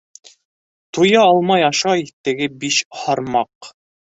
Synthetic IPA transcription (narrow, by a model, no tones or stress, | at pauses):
t̪ujɑɑlˠmɑjɑʃɑjit̪ɘ̆ɡɘbiʃhɑɾmɑq